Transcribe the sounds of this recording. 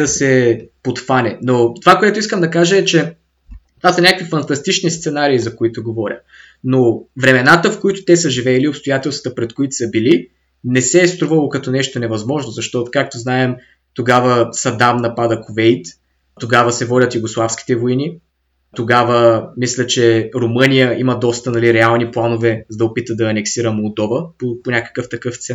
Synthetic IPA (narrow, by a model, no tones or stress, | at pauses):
ɐsɛpot̪xfvanʲɛnot̪ovakojɛt̪ʊiskəmd̪ɐkaʒəɛt͡ʃɛ | t̪ovasɐnʲakəkvifɐnt̪ɐst̪it͡ʃnist̪sɛnaɾiːzɐkoit̪ʊɡovɔɾʲə̰ | novɾɛmɛnat̪əfkoit̪ʊ̥t̪ɛsəʒivɛːliopst̪ojat̪ɛlˠst̪vət̪əpɾɛt̪koit̪ʊ̥sɐbili | nɛsɛst̪ɾuvəlˠokɐt̪ɔnɛʃt̪onɛvɐzmɔʒnozɐʃt̪ɔt̪kak̚t̪oznaɛm | t̪oɡavəsɐd̪amnɐpad̪əkovɛjt̪ | t̪oɡavəsɛvɔlʲət̪juɡoslˠafskʲi̥t̪ɛvoini | t̪oɡavəmislʲɐt͡ʃɛɾomɤnijəiməd̪ɔst̪ənɐliɾɛalˠniplˠanovɛzɐd̪ɐopit̪əd̪ɐːnɛksiɾəmolˠd̪ɔvəpoponʲakə̥kəft̪ɐkɤft̪sɛ